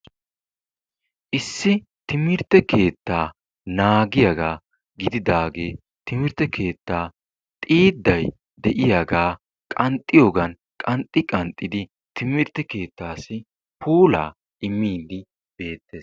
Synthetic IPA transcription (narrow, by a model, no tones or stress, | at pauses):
ʔɪsːɪ | t̪ɪmɪɾt̪ːɛke̞ːt̪ːaː | naːɡɪjɐɡaː | ɡɪd̪ɪd̪aːɡeː | t̪ɪmɪɾt̪ːɛke̞ːt̪ːaː | t̪ʼiːd̪ːɐj | d̪ɛʔɪjaɡaː | kʼɐnt̪ʼːɪjo̞ːɡɐn | kʼɐnt̪ʼːɪkʼɐnt̪ʼːɪd̪ɪ | t̪ɪmɪɾt̪ːɛke̞ːt̪ːaːsɪ | pʰuːla̰ː | ʔɪmːiːd̪ɪ | b̥e̞ːt̪ːe̞ːs